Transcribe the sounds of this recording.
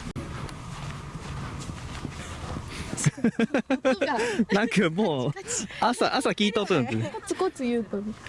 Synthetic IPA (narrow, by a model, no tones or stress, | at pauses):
nãŋkamoːasaʔasakʲiːt̪aot̪õnsɨt͡sɨkot͡sɨjɯːpɯ̃